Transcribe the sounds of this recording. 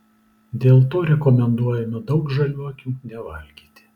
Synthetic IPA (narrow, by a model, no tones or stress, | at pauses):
d̪ʲeːlˠt̪oːɾʲɛkɔmʲɛnd̪uɔjɛmʲɪd̪ɒʊkʒɐlʲuːɐkʲuːnʲɛʋɐlʲɡʲiːt̪ʲɪ̥